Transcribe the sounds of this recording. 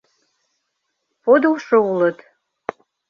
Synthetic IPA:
pod̪ulʃɤulə̆t̪

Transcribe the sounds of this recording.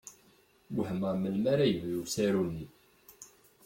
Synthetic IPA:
wħəməʁməlmæɾæjəvlusæɾunːi

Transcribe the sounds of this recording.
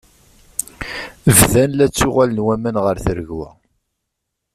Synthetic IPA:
əvðænlæt͡sːʊʁalənwæmænʁəɾθəɾəɣwæ̰

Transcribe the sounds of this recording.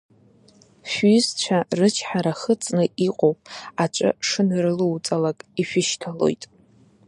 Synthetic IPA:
ʃʷyzt͡ʃʷʰarɨt͡ʃʰħaɾaχət͡sʼnɨʔiqʼowpʼat͡ʃʷʼɨ̰ʂɨnrɨluwt͡sʼalakʼiʃᶣɪʃtʰalo̞̰jtʼ

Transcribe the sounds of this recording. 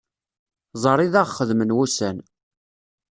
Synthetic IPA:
zˤəɾˤiðæʁχəðmənwusæn

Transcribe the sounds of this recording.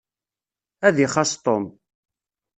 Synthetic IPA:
æðiχɑst̪ˤom

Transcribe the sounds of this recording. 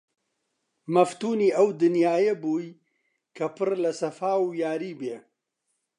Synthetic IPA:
mɐft̪uːniːɐwd̪ɨnjaːjɐbuːj | kʰɐpɨrlɐsɐfaːwjaːɾiːbeː

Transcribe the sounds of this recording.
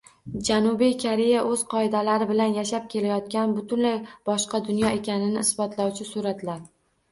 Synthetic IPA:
d͡ʒanʊbijkʰaɾejaʔɵz̥qʰɒɪd̪alaɾɪbɪlanjaʃap̚kʲʰe̞lajɒt̪̚kʲanbʊt̪ʰʊnlajb̥ɒʃqɑd̪ʊnjɒe̞kʲanɪnɪɪsbɒt̪lawt͡ʃʰɪsuɾat̪laɾ

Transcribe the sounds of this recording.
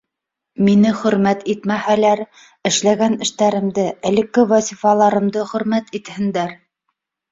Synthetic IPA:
minɘχɵ̆ɾmæt̪it̪mæhælæɾ | ɘ̆ʃlæɡænɘ̆ʃt̪æɾɘ̆md̪ɘʔɘ̆lɘ̆kːɘvɑsʲifɑlˠɑɾɤ̆md̪ɤχɵ̆ɾmæt̪it̪hɘ̆nd̪æɾ

